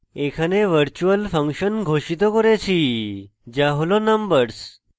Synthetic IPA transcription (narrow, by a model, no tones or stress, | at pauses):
ekʰaneʋəɾt͡ɕuəlfə̃ŋkɕənɡʱoɕit̪ɔkəɾet͡ɕʰi | d͡ʑaɦolonəmbəɾs